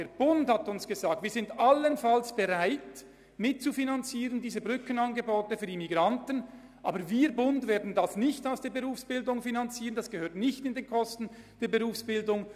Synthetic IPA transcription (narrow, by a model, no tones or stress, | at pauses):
eːɐb̥ʊndhatʊnsɡ̥əzaːk̚tv̥iːɐzɪntalənfalsb̥eʁaɪt | mɪt̚t͡sufinant͡siːʁəndiːzəbʁʏkənɑnɡəboːtəfyːɐdimiɡʁantən | ʔa̰ːbəɾviːbʊndveːɐdn̩dasnɪçtaʊsd̥eːɐbəʁuːfsb̥ɪldʊŋfinant͡siːʁənd̥asɡ̥əhøːɐtnɪçtɪndeːnkʰɔstn̩d̥eːɐbəʁuːfsb̥ɪldʊŋ